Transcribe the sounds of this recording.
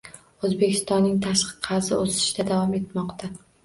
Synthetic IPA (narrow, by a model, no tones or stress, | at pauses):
ɵzbe̞kʲʰɪ̥st̪ɒnːɪŋt̪ʰaʃqɨ̥qʰɑɾzɪosɪ̥ʃd̪ad̪avɒme̞t̪mɒqt̪ʰa